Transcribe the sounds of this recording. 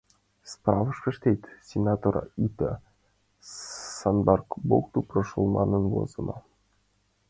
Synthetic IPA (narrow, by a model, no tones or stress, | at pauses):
sprɑvɤ̆ʂpʲɘ̆ʃt̪et̪ʲsʲenʲat̪oɾ̰it̪ə̰ | sɑnbɑrkbokt̪uprɤʂolˠmɑ̰nɤ̆nwo̰zɤ̆nɑ̰